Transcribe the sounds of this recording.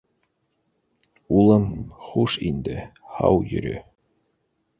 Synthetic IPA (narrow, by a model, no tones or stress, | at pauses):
ulˠɤmχuʃind̪ɘhɑ̰wjɵ̰̆ɾɵ